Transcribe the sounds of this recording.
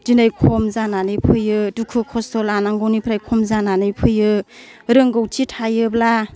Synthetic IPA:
d̥inajkʰɔmzananɯjpʰɯjɯdukʰɯkʰɔstɔlanaŋɡɔwnipʰɾajkʰɔmzananɯjpʰɯjɯ | ɾɯŋɡowtʰitʰajɯbla

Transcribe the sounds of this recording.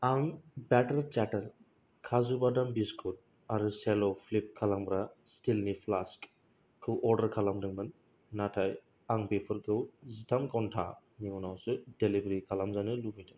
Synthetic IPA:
aŋbɛtəɾt͡ʃɛtəl | kʰazubadambiskʰut̚ | aɾuselɔpʰlip̚kʰalaŋbɾastilnipʰlask | kʰɯwʔɔɾdəɾkʰalamdɯŋbɯnː | atʰaj | aŋbepʰɯɾkʰɯwzitʰamkɔntʰa̰ | niŋɔnawsɯdelibɾikʰalamzanɯlubijdaŋ

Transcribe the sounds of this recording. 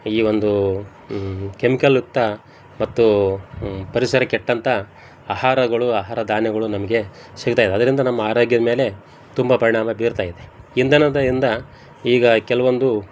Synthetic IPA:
iːʋo̞nd̪u | kemikɐlːuk̚t̪ɐ | mɐt̪ːu | pɐɾisɐɾɐkɛʈːɐnt̪ʰɐ | aːɦaːɾɐɡɐɭuaːɦaːɾɐd̪aːnjɐɡɐɭunɐmɐɡe̞ | sikut̪aːid̪ɐd̪ɐɾind̪ɐnɐmːɐaːɾo̞ːɡjɐd̪ɐme̞ːle̞ | t̪umbɐpɐɾiɳaːmɐbiːɾt̪aːjid̪e̞ind̪ɐnɐd̪ɐind̪ɐ | iːɡɐkɛlɐʋo̞nd̪u

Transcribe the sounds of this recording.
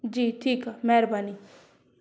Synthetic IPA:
d͡ʒiʈʰiːkmɛɾbani

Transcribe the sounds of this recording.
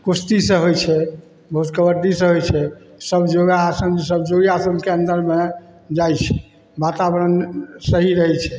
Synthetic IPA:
kust̪isə̃ɦojt͡ʃʰɛ | bʱəɦut̪kəbəɾɖ̪isə̃ɦojt͡ʃʰɛ | səbd͡ʒoɡasəmsəbd͡ʒoɡiasəmkeənd̪əɾme | d͡ʒajt͡ʃʰɛ̥ | bat̪abəɾənsəɦiɾəɦɛt͡ʃʰɛ̥

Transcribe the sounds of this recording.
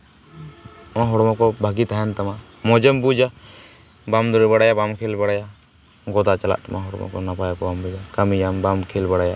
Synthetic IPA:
maɦɔɽɔmɔkɔbʱaɡit̪aɦɛnt̪ama | mɔd͡ʒɛmbud͡ʒa | bamd̪ɔɾɛbaɽajabamkʰelbaɽaja | ɡɔd̪at͡ʃala̰ʔt̪amaɦɔɽɔmɔ̰kɔ̰napajakɔbambud͡ʒakamijambamkʰelbaɽaja

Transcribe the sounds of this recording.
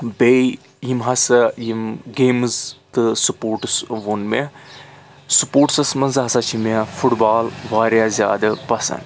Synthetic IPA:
bei | jimɦɐsɐjimɡeːmzt̪ɨsupoːɾʈɨsʋonme | supoːʈsɐsmɐnzɦɐsat͡ʃʰimefʰuʈbaːlʋaːɾjaːzʲja̰ːd̪ɐpɐsɐ̰n

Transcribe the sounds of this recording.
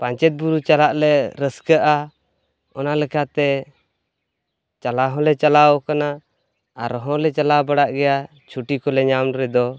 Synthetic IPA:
paɲt͡ʃɛt̪̚buɾut͡ʃalaʔlɛɾəskəʔa | ɔnalɛkʰat̪ɛ | t͡ʃalaɦɔ̃lɛt͡ʃalaɔkana | aɾɔɦɔ̃lɛt͡ʃalabaɽaʔɡɛja | t͡ʃʰuʈikɔlɛɲamɾɛd̪ɔ

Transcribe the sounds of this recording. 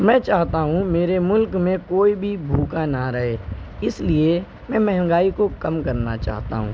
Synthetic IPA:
mɛ̃ːt͡ʃaːɦt̪aɦũmeːɾemʊlkmẽkoːibʱibʱuːkanaɾɐɦeːɪslie | mɛ̃ːmɛɦɛ̃ŋɡaːikokɐmkɐɾnat͡ʃa̰ːɦt̪a̰ɦṵ̃ː

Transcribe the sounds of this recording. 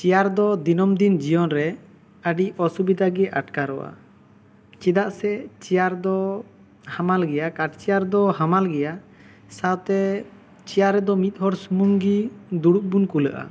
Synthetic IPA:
t͡ʃijaɾd̪ɔd̪inɔmd̪ind͡ʒijɔnɾɛ | əɖiɔsubid̪aɡɛʔaʈkaɾɔ̰wa̰ | t͡ʃid̪aʔsɛt͡ʃijaɾd̪ɔ | hamalɡɛjakaʈ̚t͡ʃijaɾd̪ɔɦamalɡɛja | sawt̪ɛ | t͡ʃijaɾːɛd̪ɔmit̪̚ˀhɔɾsumuŋɡid̪uɽuʔ̚bunkuləʔa̰

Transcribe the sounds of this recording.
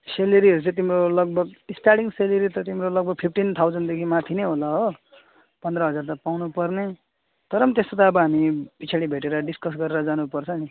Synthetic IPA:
selʌɾiʌɾut͡sãt̪̬imɾolʌɡ̚bʱʌɡisʈaɽiŋseleɾit̪ʌt̪imɾolʌɡ̚bʱʌɡ̚pʰipʰʈint̪ʰawd͡zʌnɖd̪ekʰimat̪ʰineɦolaɦo | pʌnd̪ɾʌɦʌd͡zart̪apawnupʌrne | t̪ʌɾʌmt̪est̪ot̪aʌbʌɦamipit͡sʰaɽibʱeʈeɾʌɖiskʌsɡʌɾeɾʌd͡zanupʌrt͡sʰʌni

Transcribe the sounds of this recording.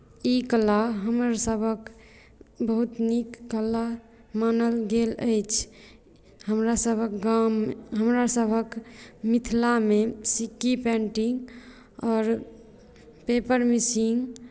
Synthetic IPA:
ikəlaɦəmɾsəbʱək | bəɦut̪nikːəla | manəlɡelə̰jt͡ʃʰ | həmɾasəbʱəkɡamɦəmɾasəbʱəkmit̪ʰlamesikːipɛ̃ɳʈiŋɡ | ɔːɾ | pepəɾmisiŋɡ

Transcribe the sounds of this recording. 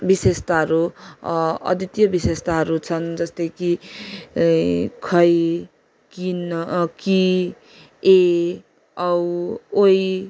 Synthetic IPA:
bisest̪aɦʌɾu | ʌ̰d̪it̪jʌbisest̪aɦʌɾut͡sʰʌnd͡zʌst̪ʌjki | kʰʌj | kinki | e | ʌwoj

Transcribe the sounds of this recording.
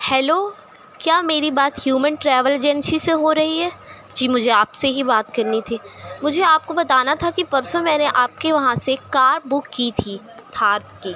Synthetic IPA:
hɛːloː | kjaːmeːɾibaːt̪hjuːmənʈɾɛːʋəld͡ʒɛnsiseɦoɾɐɦiɦɛː | d͡ʒiːmʊd͡ʒʱeaːpseɦibaːt̪kɐɾnit̪ʰiːmʊd͡ʒʱeaːp̚kobɐt̪aːnat̪ʰakipɐɾsõmɛːneʔaːp̚keʋɐɦãsekaːɾbʊkːit̪ʰiː | t̪ʰaːɾt̪kiː

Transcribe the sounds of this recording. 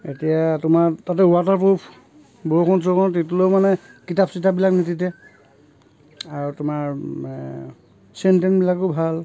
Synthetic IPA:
ḛtijatʊmatatɛatapopʰ | boɹokʰɔns̬ɔkɔntit̬ulojmanɛkitapsitabilaknititɛ | aɹutʊmaɹ | sentenbilakobʱal

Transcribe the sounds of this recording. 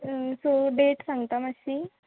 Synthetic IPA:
soɖeʈsãŋɡt̪aməɕi

